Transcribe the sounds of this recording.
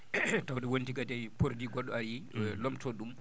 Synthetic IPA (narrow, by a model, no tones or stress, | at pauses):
tawdɛwontiɡatɛjpoɾdiɡɔɗːɔaɾilɔmtʰɔɗum